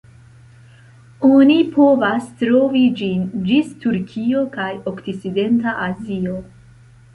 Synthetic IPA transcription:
o̞nipʰo̞vastɾo̞vid͡ʒind͡ʒistuɾkʰio̞kajo̞kt͡sit͡side̞ntaʔazio̞

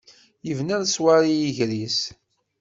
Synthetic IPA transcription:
jəvnæɾswaɾijəʝɾis

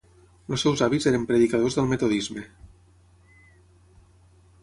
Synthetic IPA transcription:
losːɛwzaβizeɾəmpɾeðikað̞ozðəlˠmet̪oðizme

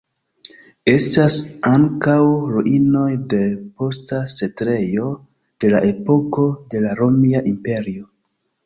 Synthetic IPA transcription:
e̞stasaŋkawɾuʔino̞jde̞po̞stase̞tɾe̞jo̞ | d̥e̞la̰ʔe̞po̞ko̞de̞laɾo̞miaʔimpe̞ɾio̞

